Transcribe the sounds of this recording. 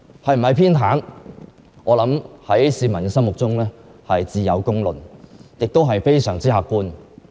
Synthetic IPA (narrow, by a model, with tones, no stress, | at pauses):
hɐ˨jm̩˨˩hɐ˨˩jpʰiː˥nt̪ʰaː˨˥n | ʔɔː˨˧lɐ˨˥mhɐ˨˥jsiː˨˧mɐ˨˩nkɛ˧sɐ˥mwʊ˨k̚t͡sʊ˥ŋlɛː˥hɐ˨jt͡siː˧jɐ̰˨˧wkʊ˥ŋlɵ̰˨˩njɪ˨k̚t̪o˥wɦɐ˨jfe˥jsœː˨˩ŋt͡siː˥haː˧kːuː˥n